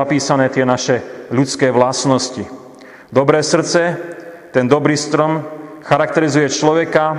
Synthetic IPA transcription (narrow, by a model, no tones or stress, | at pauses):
apiːsanɛːt̪ɪɛnaʃɛʎut͡skɛːʋlasnɔsci | d̪ɔbɾɛːsr̩t͡sɛt̪ɛnd̪ɔbɾiːst̪ɾɔmxaɾak̚t̪ɛɾizujɛt͡ʃlɔʋɛka